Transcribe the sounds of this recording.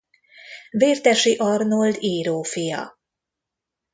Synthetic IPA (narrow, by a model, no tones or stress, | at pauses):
veːrt̪ɛʃiʔɒrnold̪iːɾoːfijɒ̰